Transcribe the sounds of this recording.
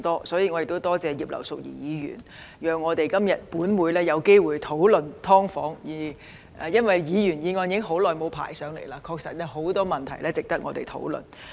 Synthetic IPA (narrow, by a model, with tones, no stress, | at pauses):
t̪ɔː˥sɔː˨˥jiː˨˧ŋɔ˨˧jɪ˨k̚t̪o˥wt̪ɔː˥t͡sɛː˧jiː˨p̚lɐ̰˨˩wsʊ˨k̚jḭ˨jiː˨˧ɥy̰ː˨˩n | jœː˨ŋːɔː˨˧t̪e˨jkɐ˥mjɐ˨˩t̚puː˨˥nwuː˨˧jlɛː˥jɐ˨˧wke˥jwuː˨jt̪ʰo˨˥wlɵ˨nt̪ʰɔː˥ŋfɔ̰ː˨˥ŋjiː˨˩ | ʔɛː˨jɐ˥nwɐ˨˩jjiː˨˧jyː˨˩njiː˨˧ŋɔː˧njŋɦo˨˥wlɔː˨˩jmo˨˧wpʰa̰ː˨˩jsœː˨˧ŋle˨˩jlaː˧kʰɔː˧k̚sɐ˨t̚ːɛ˧ɦo˨˥wt̪ɔː˥mɐ˨nt̪ʰɐ˨˩jlɛː˥t͡sɪ˨k̚t̪ɐ˥k̚ŋɔː˨˧t̪e˨jt̪ʰo̰˨˥wlɵ̰˨n